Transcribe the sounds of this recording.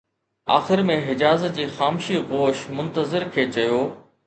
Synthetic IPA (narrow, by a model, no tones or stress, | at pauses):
a̰ːxɪɾmẽɦɪd͡ʑaːzəd͡ʑiːxaːmːʃiɣoːʃmʊ̃nt̪əzɪɾkʰeːt͡ɕɐjoː